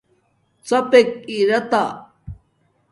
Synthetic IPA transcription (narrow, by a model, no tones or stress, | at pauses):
t͡sɐpek̚iɾɐt̪a